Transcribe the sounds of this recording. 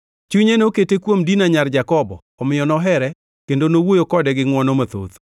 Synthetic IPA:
t͡ʃuɲenoketekwomdinaɲard͡ʒakɔbɔ̰ːmɪjɔnɔɦɛɾɛ | kendonowojokɔdɛɡɪŋwɔnɔmat̪o̰t̪

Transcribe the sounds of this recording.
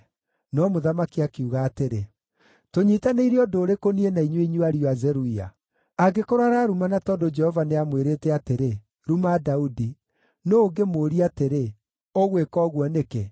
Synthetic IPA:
nɔmoðamakiakiuɣaːteɾe | toɲiːtaneiɾeɔdoːɾekonienaiɲweiɲuaɾioazɛɾuia̰ | aɡekoɾaɾaɾumanatɔdod͡ʒɛhɔvaneamweɾeːtɛateɾe | ɾumadaudi | noːŋɡemoɾiateɾe | oɣwekɔːɣwɔneke

